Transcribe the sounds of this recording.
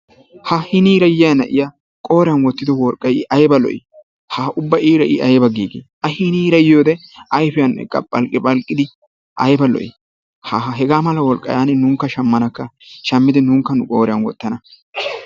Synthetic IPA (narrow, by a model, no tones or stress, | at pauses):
hɐhɪniːɾɐjɪjɐnɐ̰ʔɪja | kʼo̞ːɾɪjɐnwɔt̪ːɪd̪ɔwɔlkʼːɐjɪʔɐjbɐlɔ̰ʔɪ̰ | hɐʊbːɐʔiːɾɐʔɪ̰ʔɐjbɐɡiːɡḛːhɐhɪniːɾɐjjoːd̪ɛɐjfɪjɐnːɛ̰kʼɐ̰pʼːɐlkʼːɪpʼɐlkʼːɪd̪ɪ | ʔɐjbɐlɔ̰ʔɪ̰ | hɐɦɛɡaːmɐlɐwɔlkʼːɐ̰jaːnɪnuːŋkːɐʃɐmːɐnɐkːɐʃɐmːɪd̪ɪnuːŋkːɐnʊkʼo̞ːɾɪjɐnwɔ̰t̪ːɐnɐ